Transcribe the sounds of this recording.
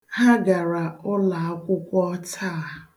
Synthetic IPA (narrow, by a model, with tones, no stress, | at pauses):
ha˦ɡa˨ɾa˨ʊ˦la˨a˦kʷʊ˦kʷɔ˦tʰa˦˨